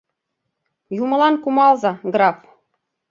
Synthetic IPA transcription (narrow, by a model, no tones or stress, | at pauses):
jumɤ̆lˠɑnkumɑlˠzɑɡɾɑp